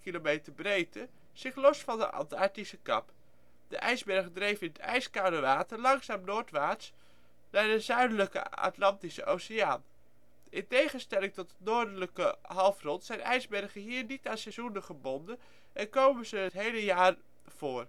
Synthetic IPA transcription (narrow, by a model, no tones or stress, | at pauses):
kilomejtərbrejtə | z̥ɪχlɔsfɑndə̰ʔɑ̰ntɑɹtisəkɑ̰p | d̥əʔɛjzbɛrχədrejvɪnətɛ̰jskadəʋaːtərlɑŋsaːmnoːɹtʋaːts | nadəzœɥdələkə̰a̰tlɑntisəʔowseaːn | ʔɪntejχənstɛlɪŋtɔtətnoːɹdələkəɦɑlˠfrɔntsɛjnɛjzbɛrχəɦiːɹnitaːnsɛzunəχəbɔndən | ʔɛnkowməzəətɦejləjaːr | v̥oːr